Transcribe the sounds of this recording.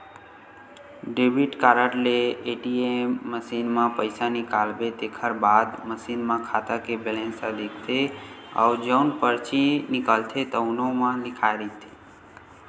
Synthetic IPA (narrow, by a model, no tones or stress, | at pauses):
ɖebiʈkaɾəʈleːʈiemməsinmãpəjsanikalbet̪ekʰəɾbad̪məsinmãkʰat̪akebɛlẽnsad̪ekʰt̪ʰea̰ud͡ʒəwnpəɾt͡ʃinɪkəlt̪ʰet̪əʊnomãlɪkʰajɾit̪ʰe̥